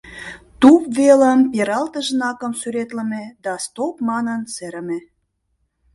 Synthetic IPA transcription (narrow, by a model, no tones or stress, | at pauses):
t̪upveləmpeɾɑlt̪əʒnɑkəmsyɾet̪lə̆med̪ɑst̪opmɑnənseɾə̆me